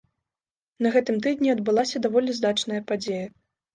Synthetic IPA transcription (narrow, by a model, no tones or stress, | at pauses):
nɐɣɛt̪ɨmt̪ɨd̪nʲiɐd̪̚bɨlˠasʲɐd̪avɔlʲizd̪at͡ʂnɐjɐpad͡zʲejɐ